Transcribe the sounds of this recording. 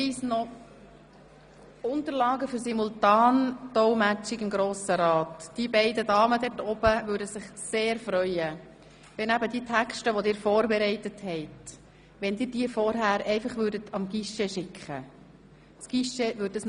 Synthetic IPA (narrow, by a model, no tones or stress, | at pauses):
iːsnɔ | ʊnt̪əɾlɑːɡəfyɾsimultɑːntɔwmæt͡ʃɪɡɪmɡɾoːsəɾɑːtd̥ibɛɪdədɑːmədɛtɔb̥əʋʉːɾdəsɪχseːɾfɾœʏə | ʋɛnæbədiətʰækʃtəʋɔdɪːɾfɔːɾbɛɾɛɪtəthɛɪt | ʋɛnd̪ɪːdiːəfɔɾɦæːɾɛɪfɑχʋʏːɾdətɑmɡiʃɛʃɪkχə | sɡ̥iʃeʋʏɾdəsn